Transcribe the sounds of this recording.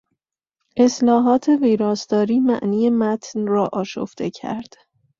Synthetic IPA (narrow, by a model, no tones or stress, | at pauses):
ʔe̞slɒːɦɒːt̪ʰe̞viːɾɒːsd̪ɒːɾiːmæʔniːje̞mæt̪ʰnrɒːʔɒːʃo̰ft̪e̞cʰæ̰ɾd̪̥